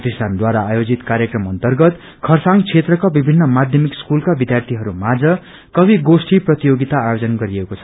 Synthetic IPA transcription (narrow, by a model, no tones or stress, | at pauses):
t̪isʈʰand̪waɾaːjod͡zit̪kaɾjekrʌmʌnt̪ʌrɡʌt̪ | kʰʌrsaŋt͡sʰet̪rʌkabibʱinːʌmad̪ʱjʌmikskulkabid̪jart̪ʰiɦʌɾumad͡zʌ | kʌbiɡosʈiprʌt̪ijoɡit̪aːjod͡zʌnɡʌɾiekot͡sʰʌ̥